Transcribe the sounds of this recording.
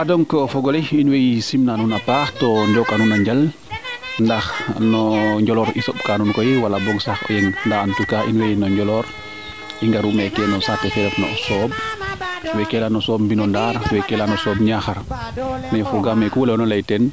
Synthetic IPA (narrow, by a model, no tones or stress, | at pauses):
ʔadɔŋkɔfɔɡɔliinwɛjsimnanunapaːxtɔndɔkːanunaɲɟɐl | ndɐxnɔɲɟɔlɔːɾisɔb̚kanunkɔjiwalabɔŋɡsaxɔ̰jɛŋndantukaːʔinwɛjnɔɲɟɔlɔɾ | iŋɡaɾumɛkɛnɔsatɛfɛlɛfnɔ̰sɔːb̚ | wɛkɛlanɔsɔːb̚mbinɔndaːɾwɛkɛlanɔsɔːbɲaxɐɾnɛfɔɡamɛkuwɔlɛnɔlɛjtɛn